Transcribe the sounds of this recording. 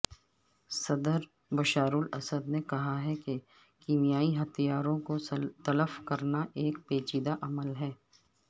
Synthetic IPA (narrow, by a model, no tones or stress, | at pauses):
sɐd̪əɾ | bɐʃaːɾulɐ̰səd̪nekɐɦaɦɛke | kiːmijaːiɦɐt̪ijaːɾõkot̪ɐləfkɐɾnaʔeːk̚peːt͡ʃiːd̪aʔɐməlɦɛː